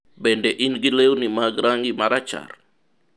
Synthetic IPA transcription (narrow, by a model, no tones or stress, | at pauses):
bɛndɛʔinɡileunimaɡɾaŋimaɾat͡ʃa̰r